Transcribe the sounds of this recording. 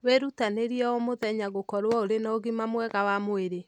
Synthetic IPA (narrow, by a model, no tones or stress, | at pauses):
weɾutaneɾiɛɔmoðɛɲaɣokɔɾwɔoɾenaoɣimamwɛɣawamoeɾe